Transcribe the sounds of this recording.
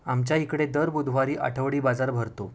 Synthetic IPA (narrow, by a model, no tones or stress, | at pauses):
amt͡ɕjaikɽed̪əɾbud̪ʱʋaɾiːʔa̰ʈʰəʋɽiːbad͡zaɾbʱəɾt̪o